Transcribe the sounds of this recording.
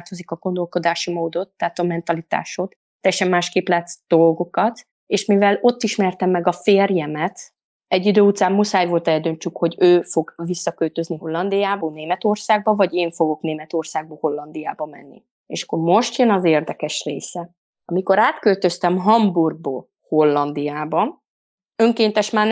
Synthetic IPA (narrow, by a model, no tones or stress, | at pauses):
t̪o̞zikɒɡo̞nd̪o̞lko̞d̪aːʃimoːd̪o̞t̪ːaːt̪ɒmɛnt̪ɒlit̪a̰ːʃo̞t̪ːɛjɛʃɛmːaːʃkeːplaːt̪sd̪̥o̞lɡo̞kɒt̪ | eːʃmivɛlo̞t̪ːiʃmɛrt̪ɛmːɛɡɒfeːrjɛmɛt̪ | ɛɟːid̪øːut̪saːmːusaːjvo̞lt̪ɛld̪øɲt͡ʃykho̞ɟøːfo̞ɡvisːɒkølt̪ø̞zniɦo̞lːɒnd̪ijaːboːneːmɛt̪o̞rsaːɡ̚bɒvɒɟeːɱfo̞ɡo̞kneːmɛt̪o̞rsaːɡ̚bɒho̞lːɒnd̪ijaːbɒmɛ̰nːḭ | ḛːʃɒ̥kːo̞rmo̞ʃt̪jønɒzeːrd̪ɛkɛʃreːsɛ | ɒmiko̞ɾaːt̪kølt̪ø̞st̪ɛmɦɒmburɡ̚bo̰ː | ho̞lːɒnd̪ijaːbɒ | øŋkeːnt̪ɛʃmaːn